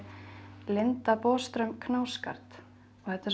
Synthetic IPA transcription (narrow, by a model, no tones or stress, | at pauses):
lɪnt̪apɔːst̪ɾœmkʰnaːwska̰ɾ̥t̪ | ɔhɛt̪as